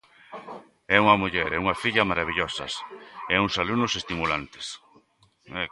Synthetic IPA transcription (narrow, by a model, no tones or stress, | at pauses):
ɛuŋɐmuʎɛɾɛuŋafiʎɐmaɾaβ̞iʎɔsɐ̰sɛuŋsalunʊsest̪imulant̪ɪ̥s | ɛ